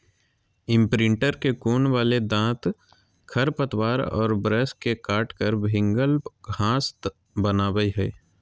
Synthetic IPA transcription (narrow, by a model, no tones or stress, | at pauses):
ɪ̃mpɾɪ̃ɳʈəɾkekoːnʋaːled̪ãːt̪ | kʰɐɾpət̪waːɾɔ̰ːɾbɾɛːskekaːʈkəɾbʱɪ̃ŋɡəlɡʱãːst̪ | bənaːwəiɦɛ̰ː